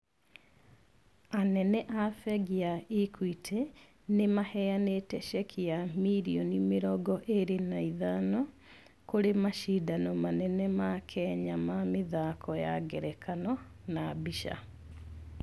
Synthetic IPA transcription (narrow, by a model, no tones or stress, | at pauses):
anɛnɛʔafɛɣiaikʰwitʰɛ | nemahɛanetɛʃɛkʰiamiɾiɔnimeɾɔɡɔʔeɾenaiðanɔ | koɾemaʃidanɔmanɛnɛmakʰɛɲamameðakʰɔja̰ɡɛɾɛkʰanɔnabiʃa̰